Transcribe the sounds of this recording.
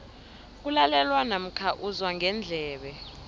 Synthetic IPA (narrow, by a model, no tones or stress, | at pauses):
k̬ulalɛlwanam̩kʰaʔuzwaŋʱɛnd͡ɮʱɛːɓɛ